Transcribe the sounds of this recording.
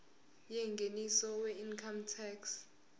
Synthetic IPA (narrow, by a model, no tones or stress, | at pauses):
jɛŋɡʱenisɔwɛinkʰamtʰɛks